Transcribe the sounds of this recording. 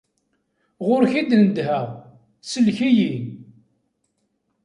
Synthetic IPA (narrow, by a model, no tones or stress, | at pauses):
ʁʊɾçid̪nəd̪həʁ | səlçijin